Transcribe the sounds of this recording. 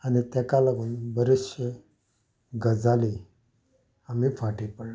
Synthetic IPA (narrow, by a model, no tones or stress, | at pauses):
anit̪ɛkalaɡuːnbəɾiɕə | ɡəd͡zali | amifaʈipəɽ